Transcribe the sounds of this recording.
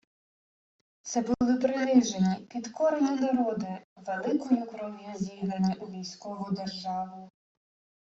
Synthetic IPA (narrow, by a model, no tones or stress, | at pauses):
t̪sɛbʊlˠɪpɾɪnɪʒenʲːipʲid̪kɔɾenʲinɐɾɔd̪ɪʋelˠɪkɔjʊkɾɔmʲjuzʲiɦ̪ˠɐnʲːɐʔʊʋʲijsʲkɔʋʊd̪erʒɑʋʊ